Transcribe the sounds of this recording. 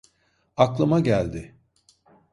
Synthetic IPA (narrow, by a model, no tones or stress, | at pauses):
aklˠamaɟælʲd̪ɪ